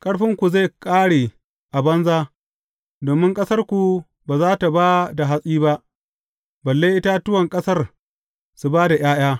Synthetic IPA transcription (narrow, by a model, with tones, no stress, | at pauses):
kʼɐ˦ɽɸɪ˦ŋkʷu˨za˦˨kʼaː˦ɽeː˨ | ʔa˨bɐ˦nzaː˦ | doː˨mɪ˦ŋkʼɐ˦sɐ˦rkʷu˨ | baː˨zaː˦ta˨ba˦da˨ɦa˦sʼiː˦ba˦ʔ | bɐ˨lːeː˦jʔɪ˦ta˦tʊ˦wɐ˨ŋkʼɐ˦sɐ˦r | su˦baː˦da˨j̰aː˦j̰aː˦